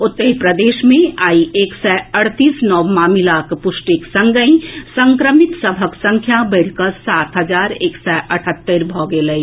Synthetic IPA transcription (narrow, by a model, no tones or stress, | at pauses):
ʊt̪ːəipɾəd̪eːʃmẽaːieːksɛəɽt̪iːsnɔːwmaːmilaːkpʊʃʈiksə̃ŋɡəĩsə̃ŋkɾəmɪt̪səbʱəksə̃ŋkʰjabəɪɽkəsaːt̪ɦəzaːɾeːksɛʔəʈʰət̪ːeɾbʱɔɡeləi